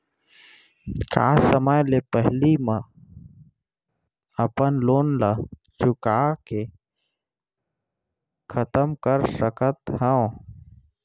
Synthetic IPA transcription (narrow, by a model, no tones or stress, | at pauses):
ka̰ːsəməjlepəɦlimə̃ | əpənloːnla | t͡ʃʊkake | kʰət̪əmkəɾsəkət̪ɦə̃